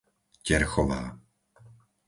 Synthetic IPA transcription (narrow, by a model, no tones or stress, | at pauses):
cɛɾxɔʋa̰ː